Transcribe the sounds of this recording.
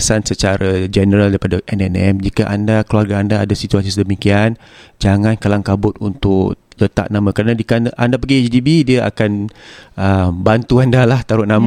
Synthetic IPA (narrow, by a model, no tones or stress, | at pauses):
sansət͡ʃaɾad͡ʒɛnəɾaldaɾipadaʔɛnɛnɛmd͡ʒikaʔandakluarɡaandaːdasit̪uasisədəmikian | d͡ʒaŋãnkalaŋkabʊt̪̚unt̪ʊklət̪a̰ʔnãmãkəɾanadikanʔandapaɡit͡ʃdibidiəʔa̰kanəmbant̪uandalaht̪aɾʊt̪̚nãm